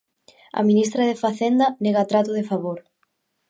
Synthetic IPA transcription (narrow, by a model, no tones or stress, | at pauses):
ɐ̰minist̪ɾaðefaθend̪ɐneɣat̪ɾat̪ʊðefaβoɾ